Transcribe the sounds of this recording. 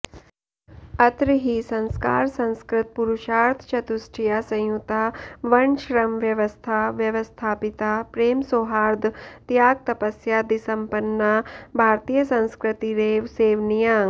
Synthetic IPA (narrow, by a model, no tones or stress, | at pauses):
ɐt̪ɾiɦisɐ̃nska̰ːɾsɐ̃ñskɾɪt̪̚puɾuʃaːɾt̪ʰt͡ʃɐt̪usʈʰijaːsɐ̃j̃jut̪aːʋɐɳʃɾɐmʋjɐʋɐst̪ʰaʋjɐʋɐst̪ʰaːpit̪aːpɾeːmsoɦaːɾd̪ʱt̪jaːɡ̚t̪ɐpɐsjaːd̪isɐmpɐnːabʱaːɾt̪ijɐsɐ̃nskɾɪt̪iɾeːʋseːʋnijaːŋ